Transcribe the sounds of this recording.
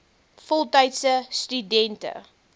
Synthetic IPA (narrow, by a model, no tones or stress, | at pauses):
fɔlˠtɐjtsəstydɛntə̰